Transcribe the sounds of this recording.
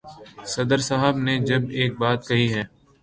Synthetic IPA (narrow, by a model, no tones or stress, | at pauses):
sɐd̪əɾsaːɦəbned͡ʒɐbeːk̚baːt̪̚kɐɦiɦɛː